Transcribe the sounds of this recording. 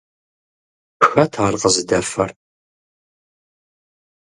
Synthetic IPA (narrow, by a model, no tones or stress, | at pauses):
pxɐtʰaːrqəzɨdɐfɐr